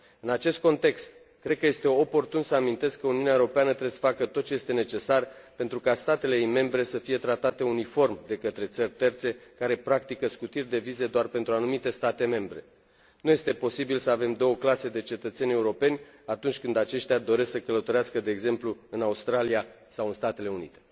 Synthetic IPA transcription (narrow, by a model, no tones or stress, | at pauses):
ɨnat͡ʃe̞st̪̚ko̞nt̪e̞kst̪ | kɾe̞d̪̚kəje̞st̪e̞o̞po̞rt̪unsəamint̪e̞skkːəuniuneaeɾopeanət̪ɾebesə̥fakət̪ot̪̚t͡ʃe̞je̞st̪e̞ne̞t͡ʃe̞sarpe̞nt̪ɾukast̪at̪e̞le̞me̞mbɾe̞səfije̞t̪ɾat̪at̪e̞unifo̞rmd̪e̞kət̪ɾe̞t̪sərʲt̪e̞rt̪se̞kaɾe̞pɾak̚t̪ikəskut̪irʲd̪e̞vize̞d̪oarpe̞nt̪ɾuanumit̪e̞st̪at̪e̞me̞mbɾe̞̰ | nuje̞st̪e̞po̞sibilsəave̞md̪o̞wəklase̞d̪e̞t͡ʃe̞t̪ət̪se̞nʲe̞uɾo̞pe̞nʲat̪unt͡ʃʲkɨnd̪at͡ʃe̞ʃt̪ead̪o̞ɾe̞sksəkələt̪oɾeaskəd̪e̞ːɡze̞mpluɨnaust̪ɾalia | sawɨnst̪at̪e̞le̞unḭt̪e̞̥